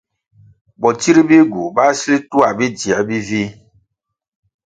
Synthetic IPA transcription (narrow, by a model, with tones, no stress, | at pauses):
bɔ˨ti˦ɾi˦be˦ɡu˨ba˦si˦le˦tu˦a˨be˦di˨a˨˦bi˦vi˦